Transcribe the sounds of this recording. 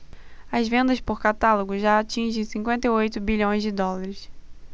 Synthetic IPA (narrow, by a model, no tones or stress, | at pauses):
ɐzvẽnd̪ɐspoɾkat̪aloɡʊʒaat͡ʃĩʒẽj̃sĩkwẽnt̪eiojt̪ʊbiʎõj̃zd͡ʒɪd̪ɔlaɾɪs